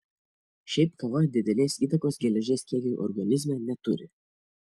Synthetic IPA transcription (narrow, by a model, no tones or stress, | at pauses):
ʃʲɛɪpkɐʋɐd̪ʲɪd̪ʲɛlʲeːsiːt̪ɐkoːsɡʲɛlʲɛʒʲeːskʲiɛɡʲɛʔɔ̰ɾɡɐnʲɪzʲmʲɛːnʲɛt̪ʊɾʲɪ̰